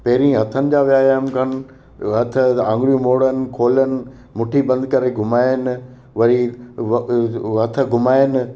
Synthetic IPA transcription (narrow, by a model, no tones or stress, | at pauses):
pɐɦɪɾĩːɦɐt̪ʰənɪ̆d͡ʑaːʋɪaːjaːmkʰɐnɪ̆ | ɦɐt̪ʰə̆ãːŋɡɾijũmoːɽənɪ̆kʰoːlənɪ̆ | mʊʈʰibɐ̃nd̪̚kɐɾeɡʱʊmaːjənɪ̆ | ʋɐɾi | ɦɐt̪ʰə̆ɡʱʊmaːɪjənɪ̆